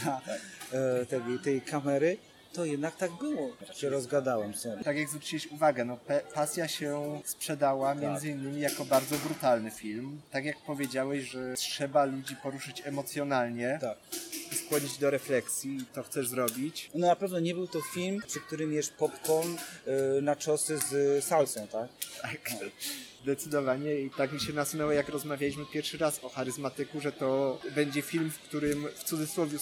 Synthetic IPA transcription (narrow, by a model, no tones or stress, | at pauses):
a | t̪ɛɡɔt̪ɛjkamɛɾɘ | t̪ɔjɛd̪nak̚t̪aɡ̚bɘwɔaɕɛɾɔzɡad̪awɛmsɛt̪aɡʲjaɡzvɾut͡ɕiwɛɕuvaɡɛnɔpɛpasʲjaɕɛspʂɛd̪awamʲjɛnd̪zɘinːɘmʲijakɔbaɾd̪zɔbɾut̪alnɘfʲilmt̪akjak̚pɔvʲjed͡ʑawɛɕʐɛtʂɛbalud͡ʑipɔɾuʂɘt͡ɕɛmɔt̪sʲjɔnalɲɛt̪akiskwɔd͡ʑid͡ʑd̪ɔɾɛflɛksʲjit̪ɔxt̪sɛʐzɾɔbʲit͡ɕnɔnapɛvnɔɲɛbɘwt̪ɔfʲilmpʂɨk̚t̪uɾɘmjɛʂpɔpkɔnnat͡ʂɔsɘzsalsɛ̃wt̪akt̪ʰak | zd̪ɛt̪sɘd̪ɔvaɲɛit̪akmʲiɕɛnasunɛwɛjakɾɔzmavʲjalʲiɕ̬mɘpʲjɛɾfʂɘɾasɔxaɾɘzmat̪ɘkuʐɛt̪ɔbɛɲd͡ʑɛfʲilmfkt̪uɾɘmft̪sud̪zɘswɔvʲju